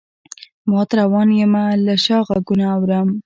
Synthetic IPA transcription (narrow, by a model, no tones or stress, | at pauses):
mɑt̪ɾawɑnjemalaʃɑɣaɡunaːwɾəm